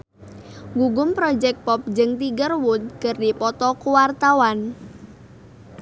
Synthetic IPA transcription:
ɡuɡʊmpɾɔd͡ʒɛk̚pɔp̚d͡ʒɨŋt̪iɡərwʊt̪̚kərdipɔt̪ɔkuwart̪awan

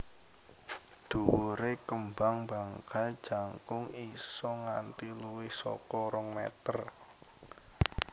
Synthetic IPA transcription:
d̪̥uɾekəmbaŋbaŋkad̥d͡ʒ̥a̤ŋkʊŋisɔŋant̪iluwɪhsɔ̰kɔɾɔŋmɛ̰t̪ər

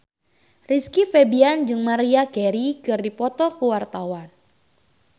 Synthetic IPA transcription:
riskifebiand͡ʒɨŋmaɾiakɛɾikɨrdipɔt̪ɔkəwart̪awan

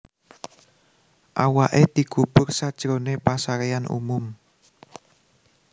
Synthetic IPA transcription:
ʔawaʔed̪̥ikub̥ʊrsad̥ʒ̥ɾonepasaɾeanʔṵmʊm

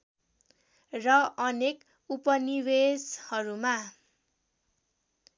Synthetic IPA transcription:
rʌʌnek | upʌniweshʌɾuma

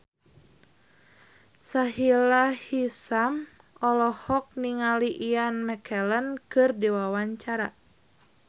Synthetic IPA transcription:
saɦilahisam | ɔlɔhɔk̚niŋaliʔianmɛkʰɛlənkɨrdiwawaɲt͡ʃaɾa

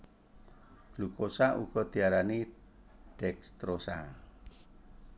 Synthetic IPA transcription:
lukosaʔuɡ̥ɔd̪̥i̤aɾani | ɖ̥ɛkst̪ɾosa̰

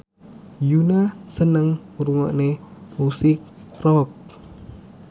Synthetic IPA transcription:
junasənəŋuɾuŋɔʔnemusik̚rɔk̚

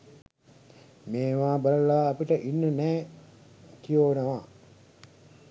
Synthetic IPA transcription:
meːʋaːbələlaːpiʈəʔinːənɛː | k̪ijoːnəʋaː

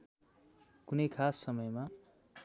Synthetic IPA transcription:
kunʌjkʰasːʌmʌjma

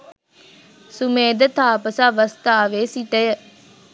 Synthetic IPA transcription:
sumeːd̪ət̪ʰaːpəsaʋəst̪aːʋeːsiʈəjə

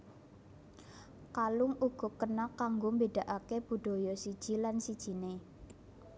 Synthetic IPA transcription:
kalʊŋuɡ̥ɔ̤kənakːaŋɡombed̥a̤ʔakeb̥ṳɖ̥o̤jɔsid̥ʒ̥i̤lansid̥ʒ̥i̤ne

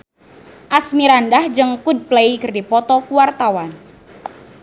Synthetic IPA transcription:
ʔasmiɾandahd͡ʒəŋkud̪̚pleikɨrdipɔt̪ɔkuwart̪awan

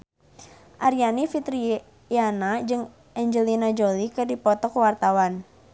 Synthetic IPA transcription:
ʔaɾianifit̪ɾi | janad͡ʒɨŋ | ɛɲd͡ʒəlinad͡ʒolikɨrdipɔt̪ɔkəwart̪awan

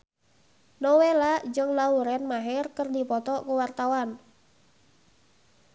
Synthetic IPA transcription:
nowelaʔd͡ʒɨŋlauɾɛnmaɦɪrkərdipɔt̪ɔkuwart̪awan

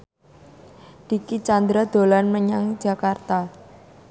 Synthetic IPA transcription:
d̪̥i̤kit͡ʃand̪ɾad̪̥o̤lanməɲaŋ̥d͡ʒa̤kart̪a

